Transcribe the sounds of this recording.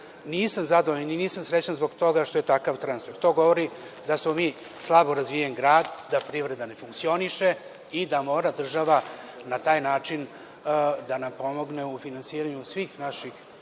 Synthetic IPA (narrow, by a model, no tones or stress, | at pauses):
niːsamzad̪ooeniniːsamsɾe̞t͡ɕanzbo̞ɡt̪o̞ɡaʃt̪o̞je̞t̪akaʋt̪ɾansfe̞ɾt̪o̞ːɡo̞ʋo̞ɾi | d̪asmo̞miː | slˠabo̞ɾazʋijenɡɾaːd̪ːapɾiʋɾe̞d̪ane̞fuŋkt̪sio̞niʃe | id̪amo̞ːɾad̪r̩ʒaʋa | nat̪aːjnaːt͡ʂin | d̪anampo̞mo̞ɡne̞ufinansiːɾaɲusʋiːxnaʃix